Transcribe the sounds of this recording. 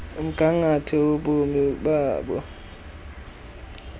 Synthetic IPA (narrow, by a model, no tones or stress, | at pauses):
m̩ɡ̥ʱaŋatʰɛoɓomiɓaːɓɔ̰